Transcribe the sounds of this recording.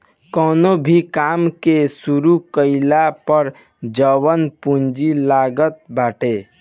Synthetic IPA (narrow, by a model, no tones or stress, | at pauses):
kɔnobʱikamkesuɾukəɪlapəɾ | d͡ʒəwənpund͡ʒilaɡət̪̚baʈe